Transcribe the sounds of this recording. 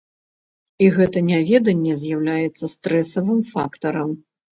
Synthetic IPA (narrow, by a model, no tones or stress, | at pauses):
iɣɛt̪ɐnʲavʲɛd̪ɐnʲːɛzʲjawlʲajɛt̪sːɐst̪ɾɛsɐvɨmfakt̪ɐɾɐm